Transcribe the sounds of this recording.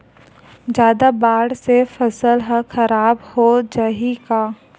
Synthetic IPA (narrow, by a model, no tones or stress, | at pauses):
d͡ʒjaːd̪abaːɽsefɐsəlɦəxɐɾaːbhod͡ʒaɦikaː